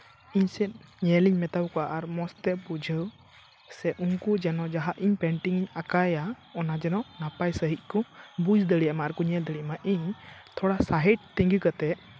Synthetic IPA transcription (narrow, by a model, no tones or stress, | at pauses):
iɲsɛt̪̚ɲɛliɲmɛt̪awkɔaʔaɾmɔst̪ɛpud͡ʒʱəw | sɛʔuŋkud͡ʒɛnɔd͡ʒaɦaʔiɲpɛɳʈiŋiɲakaja | ɔnad͡ʒɛnɔʔnapajsəɦic̪̚ˀkɔbud͡ʒd̪əɽijamaʔaɾkɔɲɛld̪əɽiʔamaʔiɲt̪ʰɔɽasaɦɛʈ̚t̪iŋɡikət̪ɛʔ